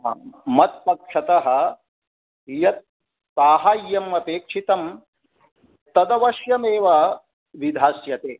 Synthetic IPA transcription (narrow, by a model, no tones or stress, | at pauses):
mɐt̪̚pɐkʂɐt̪ɐɦɐ̆ | jɐt̪̚ | paːɦaːjːɐmːɐpeːkʂʰit̪ɐm | t̪ːɐd̪ɐʋɐʃjɐmeːʋɐ | ʋid̪ʱaːsjɐt̪eː